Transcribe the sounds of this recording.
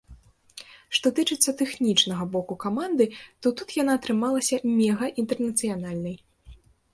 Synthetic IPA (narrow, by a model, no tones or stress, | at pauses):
ʂt̪ɔt̪ɨt͡ʂɨt̪sːɐt̪ɛxnʲit͡ʂnɐɣɐbɔkukamand̪ɨt̪ɔt̪ut̪janaːt̪ɾɨmalˠɐsʲɐmʲɛɣɐʔint̪ɛrnɐt̪sɨjanalʲnɐj